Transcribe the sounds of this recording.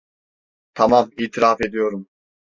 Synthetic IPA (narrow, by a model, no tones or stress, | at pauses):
t̪ʰamamiːt̪ʰiɾafe̞d̪ijo̞ɾum